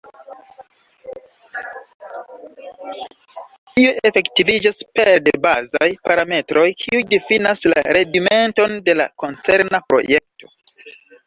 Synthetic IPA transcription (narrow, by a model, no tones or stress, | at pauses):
ioʔe̞fe̞ktivid͡ʒaspeɾdebazajpaɾame̞tɾʔo̞jkʰiujdifinasla̰ɾe̞ɡime̞nto̞nde̞la̰ko̞nt͡se̞ɾnapɾo̞̰jek̚to̞̥